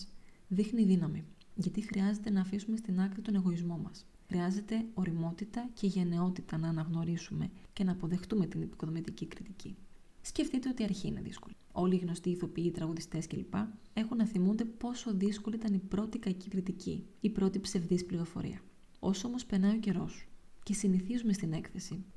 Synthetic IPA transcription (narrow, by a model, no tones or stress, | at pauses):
ðixniːðinɐmiʝɐt̪ixɾiɐze̞t̪e̞nɐːfisume̞st̪inɐkɾit̪o̞ne̞ɣo̞izmo̞mɐs | xɾiɐze̞t̪e̞o̞ɾimo̞t̪it̪ɐcʰe̞ʝe̞ne̞o̞t̪it̪ɐnɐːnɐɣno̞ɾisume̞ce̞nɐːpo̞ðe̞xt̪ume̞t̪inepi̥ko̞ðo̞mit̪icikɾit̪ici | sce̞fθit̪e̞o̞t̪iɐɾçiːne̞̰ðḭsko̞li | o̞liːɣno̞st̪iːθo̞piit̪ɾɐɣuðist̪e̞sce̞lipɐ | e̞xunːɐθimund̪e̞po̞so̞ðisko̞liit̪ɐnipɾo̞t̪ikɐcikɾit̪icḭipɾo̞t̪ipse̞vðispliɾofo̞̰ɾʔḭɐ | o̞soo̞mo̞spenɐioce̞ɾo̞sce̞siniθizume̞st̪ine̞kθe̞si